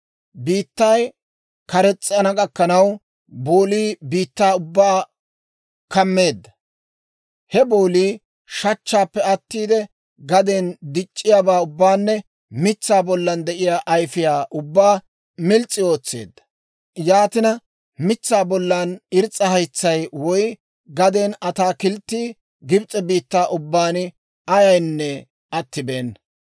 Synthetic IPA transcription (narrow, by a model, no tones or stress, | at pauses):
biːt̪ːɐj | kɐɾɛt͡sʼːɐnɐkʼɐkːɐnɐw | boːliːbiːt̪ːaːʊbːaː | kɐmːe̞ːd̪ːɐ | hɛboːliː | ʃɐt͡ʃːaːpːɛɐt̪ːiːd̪ɛ | ɡɐd̪end̪ɪt͡ʃʼːɪjaːbaːʊbːaːnːɛ | mɪt͡sːaːbɔlːɐnd̪ɛʔɪjaːʔɐjfɪjaːʔʊbːaː | mɪlt͡sʼːɪo̞ːt͡sːḛːd̪ːɐ̥ | jaːt̪ɪnɐ | mɪt͡sːaːbɔlːɐnɪɾt͡sʼːɐhɐjt͡sːɐjwɔj | ɡɐd̪eːnɐt̪aːkɪlt̪ːiː | ɡɪbt͡sʼːɛbiːt̪ːaːʔʊbːaːnɪ | ʔɐjɐjnːɛ | ʔɐt̪ːɪbeːn